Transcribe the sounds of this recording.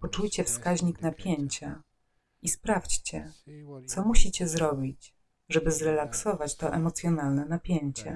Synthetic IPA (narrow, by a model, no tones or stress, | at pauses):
pɔt͡ʂujt͡ɕɛfskaʑɲiknapʲjeɲt͡ɕa | ispɾaft͡ɕt͡ɕɛt̪sɔmuɕit͡ɕɛzɾɔbʲit͡ɕ | ʐɛbɘzɾɛlaksɔvat͡ɕt̪ɔʔɛmɔt̪sʲjɔnalnɛnapʲjeɲt͡ɕɛ̰